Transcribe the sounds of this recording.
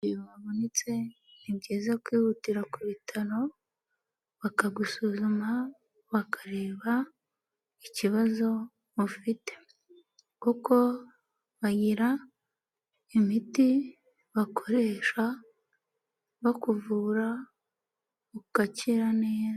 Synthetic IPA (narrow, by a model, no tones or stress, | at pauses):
jβaβonit͡se̞ | ibɟiːzakwiːβutiɾakuβitʰaɾo̞ | βakaɡusuːzuma | βakʰḁɾe̞ːβa | iciβazo̞ | βufite̞̥ | kuko̞ | βaɟiɾa | imiti | βakʰo̞ɾe̞ːʃa | βakuvuːɾa | ukaciɾaneːza